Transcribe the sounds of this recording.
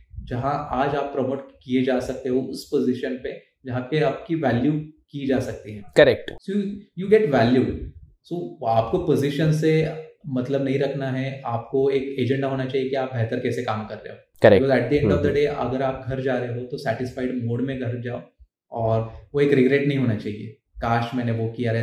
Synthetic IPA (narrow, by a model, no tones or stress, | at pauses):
d͡ʒɐɦãʔaːd͡ʒaːpːɾɔmoːʈkied͡ʒaːsɐk̚t̪eɦoʊspozɪʃənpe | d͡ʒɐɦãpeaːp̚kiʋæːljukid͡ʒaːsɐk̚t̪iɦɛ̃ːkɐɾɛk̚ʈsojuːɡɛʈʋæːljuːɖsoːaːpkopozɪʃənsemɐt̪ləbnɐɦĩɾɐkʰnaɦɛaːp̚koeːkeːd͡ʒɛ̃ɳɖaɦoːnat͡ʃaːɦijekiaːp̚bʱɛɦt̪əɾkɛːsekaːmkɐɾːḛɦo | kɐɾɛkɔːzɛːʈ̚d̪iɛ̃ɳɖɔːʋd̪ɐɖeːʔɐ̰ɡəɾaːp̚ɡʱɐɾd͡ʒaːɾeɦeɦot̪osɛːʈɪsfaɪɖmoːɽmẽɡʱɐɾd͡ʒaːo | ɔːɾʋoeːkɾɪɡɾeːʈnɐɦĩɦoːnat͡ʃaːɦiḛ | kaːʃmɛːneʋokijaɾɦ